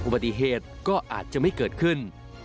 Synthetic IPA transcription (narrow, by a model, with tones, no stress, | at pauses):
ʔu˧ba˧˩i˧ɦeː˨˩t̪̚kɔː˥˩ʔaː˨˩t̪̚t͡ɕa˨˩ma˥˩jkɤː˨˩t̪̚kʰɯ˥˩n